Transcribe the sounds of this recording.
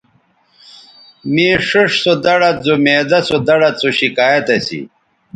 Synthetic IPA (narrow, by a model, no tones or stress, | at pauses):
mĩːʂuʂsod̪ɐɽɐt̪̚zomeːd̪ɐsod̪ɐɽɐt̪t͡soɕikaːjɐt̪ɐsḭ